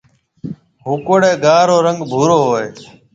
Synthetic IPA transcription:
ɦuːkoːɽeːɡaːɾoːɾəŋɡbʱuːɾoːɦoːeː

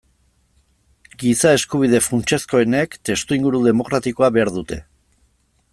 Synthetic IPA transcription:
ɡisae̞skuβ̞ið̞e̞fɾunt͡ʃe̞sko̞e̞ne̞kt̪e̞st̪uiŋɡuɾuðe̞mo̞kɾat̪iko̞aβe̞aɾðut̪e̞̰

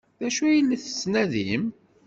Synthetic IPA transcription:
ðæʃujəlːiθə̥snæðim

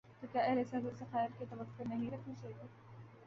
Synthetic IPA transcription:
t̪okjaːʔɐɦlesɐɦuːɾsexɛːɾket̪ɐʋəkːoɾnɐɦĩɾɐkʰnat͡ʃaɦeɡ̪eː

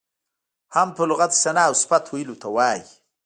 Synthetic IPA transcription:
hampəlʊɣat̪sanawspat̪ʰwajilut̪ʰawɑːj

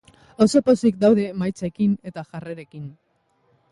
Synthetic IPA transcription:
oso̞po̞sik̚d̪awðe̞majt͡sekine̞t̪aʝareɾe̞kin

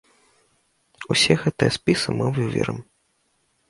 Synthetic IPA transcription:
usʲɛɣɛt̪ɨjɛspʲisɨmɨwuvʲɛ̰ɾɨ̰m

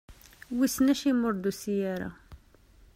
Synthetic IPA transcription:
wisnæʃimʊɾd̪usijaɾa̰

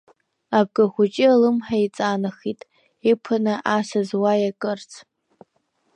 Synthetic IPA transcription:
ab̚ɡaχʷʊt͡ʃʼɪalɨmħait͡sʼanɨχitʼ | ipʰɨnɨʔasazwajakʼɨrt͡sʰ

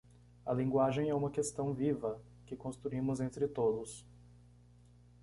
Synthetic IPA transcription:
ɐ̰lĩŋɡwaʒẽj̃ɛũmɐkest̪ɐ̃w̃vivɐ | kɪkõst̪ɾuĩmʊzẽnt̪ɾɪt̪od̪ʊs

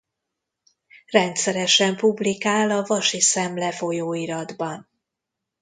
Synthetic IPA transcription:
rɛnt̪sɛɾɛʃɛmpublikaːlɒvɒʃisɛmlɛfo̞joːiɾɒd̪bɒn

